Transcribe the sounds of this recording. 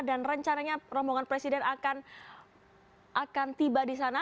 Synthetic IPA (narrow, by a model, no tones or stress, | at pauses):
danrəɲt͡ʃanaɲarɔmbɔŋanpɾesidɛnakan | ʔakant̪ibadis̬ana